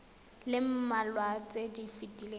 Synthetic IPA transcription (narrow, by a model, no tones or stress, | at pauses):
lɪm̩malwat͡sʼedifitʼile